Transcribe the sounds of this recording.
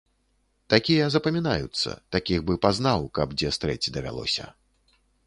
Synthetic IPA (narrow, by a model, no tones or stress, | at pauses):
t̪akʲijɐzɐpɐmʲinajṵt̪sːɐ̰t̪akʲiɣbɨpaznawkɐbd͡zʲɛst̪ɾɛt͡sʲd̪ɐvʲa̰lˠɔ̰sʲɐ̰